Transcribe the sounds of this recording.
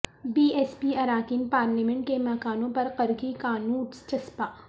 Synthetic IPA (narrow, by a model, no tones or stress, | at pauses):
biːɛːspiɐɾaːkɪnpaːɾlimɛ̃ɳʈkemɐkaːnõpɐɾqɐɾɡikaːnuːʈst͡ʃɐspaː